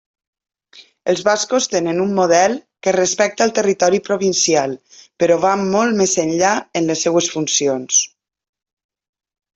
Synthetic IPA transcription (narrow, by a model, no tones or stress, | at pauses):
əlˠzβaskost̪enənumːoð̞ɛlˠkərəspɛk̚t̪əːlˠt̪ərit̪ɔɾipɾoβinsialˠ | pəɾɔβammːɔlˠmezənʎaənləsːewəsfunsions